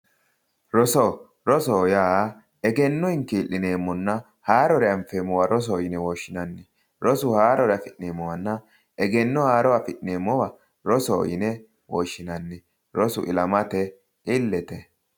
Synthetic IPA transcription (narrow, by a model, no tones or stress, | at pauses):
ɾɔsɔ | ɾɔsoːjaː | ɛɡɛnːɔɪŋkiːlːɪneːmːɔnːɐ | haːɾɔɾɛɐmfeːmːɔwaɾɔs̬ojɪnɛwɔːʃːɪnɐnːɪ | ɾɔsʊhaːɾɔɾɛɐfɪʔneːmːɔwɐnːɐ | ʔɛɡɛnːɔhaːɾɔwafɪʔneːmːɔwɐ | ɾɔso̰ːjɪ̰nɛ | wɔːʃːɪnɐnːɪ | ɾɔsʊ̰ʔɪ̰lɐmɐt̪ɛ | ɪlːɛt̪ɛ